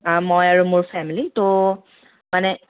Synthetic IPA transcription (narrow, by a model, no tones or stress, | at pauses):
mojaɹumʊɹpʰɛmilito | manɛ